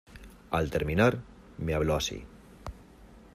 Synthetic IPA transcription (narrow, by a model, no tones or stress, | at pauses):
alt̪eɾminaɾ | meaβlɔasḭ